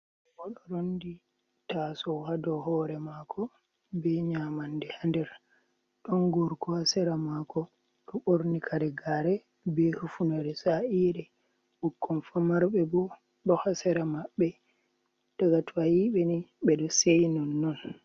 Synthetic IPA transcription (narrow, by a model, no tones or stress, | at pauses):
ɔɗɔɾondi | tasɔwhadɔɦɔːɾɛmakʰɔ | bɛɲaːmandɛhandɛɾ | ɗɔnɡoɾkɔhasɛɾamakɔ | ɗɔɓoɾnikʰaɾɛɡaɾɛ | bɛhufunaɾɛsaʔiɗɛ | ɓukʰːɔnfamaɾɓɛbɔ | ɗɔhasɛɾamaɓːɛ | taɡatʰajiɓɛniɓɛɗɔsejnɔnːɔn